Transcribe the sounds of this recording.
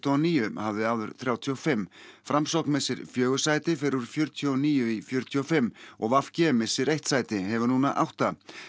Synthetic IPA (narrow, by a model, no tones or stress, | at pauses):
t̪ɔniːjʏhavðɪaːðʏɾθɾjaːwt̪ʰiɔfɪmːfɾamsowknmɛsɪɾ̥fjœːɣʏsaːjt̪ɪfɪɾuɾ̥fjœɾt̪ʰjɔniːjʏifjœɾt̪ʰiɔfɪmːɔ̰ɣvafcɪɛmɪsɪɾejht̪saːjt̪ɪhɛvʏnuːnaʔa̰wht̪a